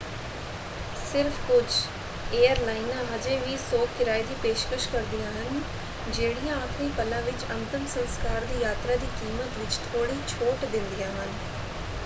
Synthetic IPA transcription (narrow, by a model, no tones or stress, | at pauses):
sɪɾfʰkʊd͡ʒ | eːəɾlaːɪnãːɦəd͡ʒeːʋiːsoːkkɪɾaːid̪iːpeːʃkəʃkəɾd̪ɪjãːɦən | d͡ʒeːɽɪjãːapʰniːpəlãːʋɪt͡ʃənt̪əmsənskaːɾd̪iːjaːt̪ɾaːd̪iːkiːmət̪ʋɪt͡ʃt̪ʰoːɽiːt͡ʃʰoːʈd̪ɪ̃nd̪ɪjãːɦən